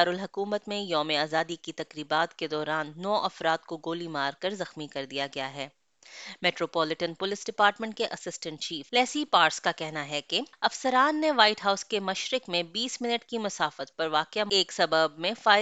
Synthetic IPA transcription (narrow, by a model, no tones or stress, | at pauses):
ɾʊlɦɐkuːmət̪mẽjɔːmeaːzaːd̪ikit̪ɐkɾiːbaːt̪ked̪ɔːɾaːnːɔːʔɐfɾaːt̪̚koɡoːlimaːɾkɐɾzɐxmikɐɾd̪ijaɡɐjaɦɛː | mɛːʈɾoːpɔːlɪʈənpʊlɪsɖɪpaːɾʈmə̃ɳʈkeʔɐsɪsʈə̃ɳʈ̚t͡ʃiːflɛːsipaːɾskakɛɦnaɦɛkeɐfsəɾaːnːeʋaːɪʈɦaːʊskemɐʃɾɪkmẽbiːsmɪnəʈkimʊsaːfət̪̚pɐɾʋaːkɪaeːksɐbəbmẽfaː